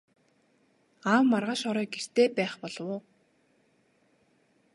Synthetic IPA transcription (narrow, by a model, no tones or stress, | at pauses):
aːwːarʁaːʃɔɾœːɡer̥t̪eːpæːχpɔɮwʊː